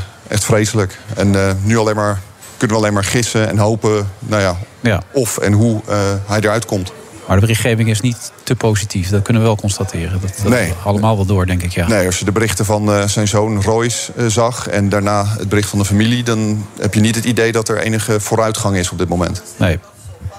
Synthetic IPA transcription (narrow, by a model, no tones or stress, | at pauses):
ʔɛ̰χtfrejsələkɛnnyɑlejmaːɹ | kɵnəʋəɑlejmaːɹχɪsəɛ̰nɦowpənawjaɔfɛ̰nɦuəɦɛjdəɹœɥtkɔmt | maːɹdəbərɪχχejvɪŋɪsnitːəpowzitifdɑt̚kɵnəʋəʋɛlˠkɔnstatʰɪːɾədtnejɑləmaːlˠʋɛlˠdʊːɹdɛŋkɪkjaːnejɑsjədəbərɪχtəvɑnzɛjnzownrɔjs | zɑχɛ̰ndaːɹnaːəd̚bərɪχtfɑndəfamilidɑnɦɛpjənitɦətidejdɑtɛɹʔḛjnəχəv̥ʊːɾœɥtχɑŋɪsɔb̚dɪt̚mowmɛ̰ntnej